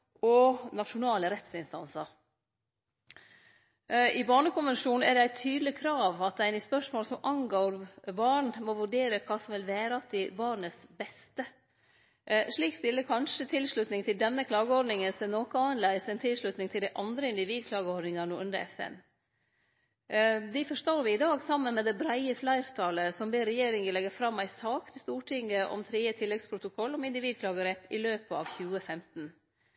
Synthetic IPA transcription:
ɔnɑʂʊnɑːləɾɛt̪sɪnst̪ɑnsɑɾ | ʔɪbɑːɳəkʊnʋɛnʂuːn̩æɖɛæɪt̪ʰyːd̪lɪkʰɾɑːʋɑt̪̚d̪æɪnɪspœʂmoːlsɔmʔɑŋɡoːɾbɑːɳmɔʋʉɖeːɾəkʰɑːsɔmʋɪlʋæːɾəɑt̪̚ɪbɑːɳəsbɛst̪ə | ʂɭiːkst̪ɪlːəkʰɑnʂət̪ʰɪlʂɭʉt̪nɪŋt̪ʰɪld̪ɛnːəkʰlɑːɡəɔɾɖ̪nɪŋənsɛnoːkɔɑənlæɪsɛnt̪ʰɪlʂɭʉt̪nɪŋt̪ʰɪld̪æɪʔɑnd̪ɾəɪnd̪ɪʋiːd̪̚kʰlɑːɡəɔɾɖ̪nɪŋəɳuːʉnd̪ə̰ɛfɛ̰n | d̪ɪfɔʂt̪oːɾʋɪɪd̪ɑːɡsɑmːənmɛːd̪ɛbɾæɪəflæɪɾt̪ʰɑːləsɔmbeːɾɛjeːɾɪŋəlɛɡəfɾɑmːæɪsɑːkt̪ʰɪst̪uːʈʰɪŋːəʔɔ̰mt̪ʰɾiːət̪ʰɪlːɛɡspʰɾʊt̪ʊkʰɔlːɔmɪnd̪ɪʋiːd̪̚kʰlɑːɡəɾɛt̪ʰːɪløːpəɑ̰ːʋçʉːəfɛmt̪n̩

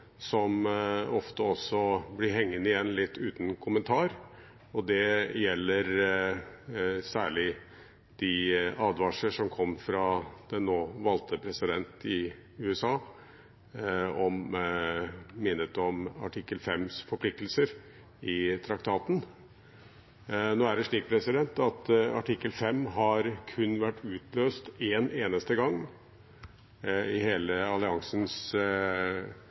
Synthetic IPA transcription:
sɔmɔft̪əɔsːɔblɪɾɦɛŋːənɪjɛnːlɪt̪ːʉːt̪nkʰʊmənt̪ʰɑːɾ | ɔd̪ɛjɛlːəɾ | sæːɭɪ | d̪̥ɪɑːd̪ʋɑːʂəʂɔmkʰɔmːfɾɑd̪̥ɛnːoːʋɑlt̪ʰəpʰɾɛsɪd̪ɛnt̪ɪ | ʉːɛsɑː | ɔm | mɪnːət̪ɔmɑ̰ʈʰɪkːəlfɛmsfɔɾpʰlɪk̚t̪əlsəɾ | ɪt̪ʰɾɑkt̪ʰɑːt̪n̩ | noːæɖəʂɭiːk̚pʰɾɛsɪd̪ɛnt̪ɑt̪ɑʈʰɪkːəlfɛmːɦɑɾkʰʉnːʋæʈːʉːt̪løːst̪eːneːnəst̪əɡɑŋː | ɪheːləɑlɪɑŋsəns

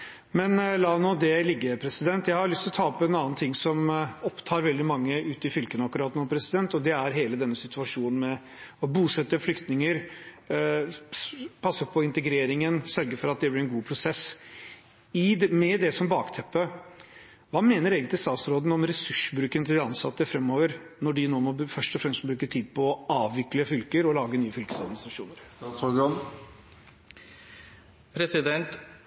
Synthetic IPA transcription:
mɛnlɑːnoːd̪ɛlɪɡːəpʰɾɛsɪd̪ɛnt̪jæɪhɑɾʊlʏst̪lɔt̪ʰɑːɔpːɛnɑːnt̪ʰɪŋːsɔmɔpːt̪ʰɑːɾʋɛld̪ɪmɑŋːəʉːt̪ɪfʏlkənəɑkːʉɾɑːt̪noːpʰɾɛsɪd̪ɛnt̪ɔd̪ɛæɾɦeːləd̪ɛnːəsɪt̪ʉɑʂuːnn̩mɛ | ɔbuːsɛt̪ːəflʏkt̪nɪŋəɾ | pʰɑsːəpʰɔɪnt̪əɡɾeːɾɪŋənsœɾɡəɾfɔɾɑt̪̚d̪ɛblɪɾɛnɡuːpʰɾʊsɛs | ɪmɛd̪ɛsɔmbɑːkt̪ʰɛpːə | ʋɑːmeːnəɾeːɡənt̪lɪst̪ɑːt̪sɾoːd̪n̩ɔmɾɛsʉʂbɾʉːkənət̪ʰɪld̪ɛɑnsɑt̪ːəfɾɛmːoːʋəɾnɔɖɪnoːmɔfœʂʈɔfɾɛmst̪bɾʉːkəʈʰiːd̪̚pʰɔɑːʋʋɪkləfʏlkəɾɔlɑːɡənyːəfʏlkəsɑd̪mɪnɪst̪ɾɑʂṵːnəɾsɔɡɑn | pʰɾɛsɪd̪ɛnt̪

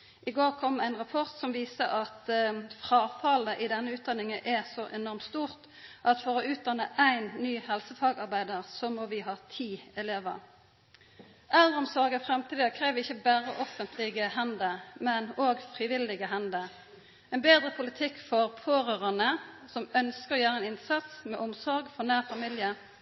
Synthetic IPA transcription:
ʔɪɡoːʁkʰɔmːæɪnʁɑpʰɔʁt̪sɔmʋiːsəʔɑt̪fʁɑːfɑləʔɪd̪ɛnːəʉːt̪̚d̪ɑnɪŋəʔɛsɔʔɛnɔʁmt̪st̪uːʁt̪ | ʔɑt̪fɔʁɔʉːt̪̚d̪ɑnːəʔæɪnːyːhɛlsəfɑːɡɑʁbæɪd̪əʁsɔmɔʋɪɦɑːt̪ʰiːɛleːʋə̰ʁ | ʔɛləʁəɔmsɔʁɡəfʁɛmt̪ʰiːd̪əkʰʁeːʋəɪçːəbæːʁəʔɔfənt̪ʰlɪɡəɦɛnd̪əmɛnoːɡfʁɪʋɪlɪɡəɦɛnd̪ə | ɛnbeːd̪ʁəpʰʊlɪt̪ʰɪkːfɔʁpʰoːʁøːʁɑnəsɔmœnskəʁɔjæːʁəɛɪnɪnsɑt̪smɛʔɔmsɔʁɡfɔʁnæːʁfɑmiljə

